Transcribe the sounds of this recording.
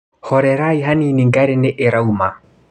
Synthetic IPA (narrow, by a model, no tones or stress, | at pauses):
hɔɾɛɾaiɦaniniŋɡaɾeneʔeɾauma